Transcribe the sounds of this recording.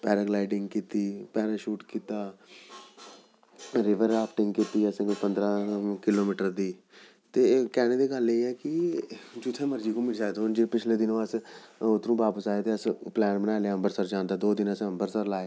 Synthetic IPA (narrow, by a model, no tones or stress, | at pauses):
pɛːɾəɡlaːɪɖɪ̃ŋɡkiːt̪iːpɛːɾəʃuːʈkiːt̪aː | ɾɪʋəɾaːpʰʈɪŋɡkit̪iːəsẽːkpənd̪ɾãːkɪloːmɪːʈəɾd̪iː | t̪eːkɛːneːd̪eːɡəleːɛːkɪd͡ʒut̪ʰːẽːməɾd͡ʒiːkõːmɪɽʃaːed̪ond͡ʒepɪt͡ʃʰleːd̪ɪnõːəsʊt̪ːnũːʋaːpəsaːeːt̪eːəsplɛːnbənaːleaːəmbəɾsəɾd͡ʒãːnd̪aːd̪oːd̪ɪnəsəmbəɾsəɾlaːeː